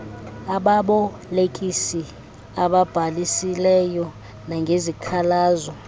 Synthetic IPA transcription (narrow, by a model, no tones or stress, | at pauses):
aɓaɓɔ | lekʼisi | aɓab̥ʱalisilɛjɔ | naŋɡʱezikʰalaːzɔ